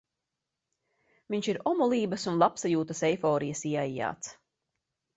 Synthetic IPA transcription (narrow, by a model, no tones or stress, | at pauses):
viɲʲʃiɾɔmulˠiːbɐsunlˠapsajuːt̪əsɛjfɔːɾijəsiɛajːa̰ːt̪s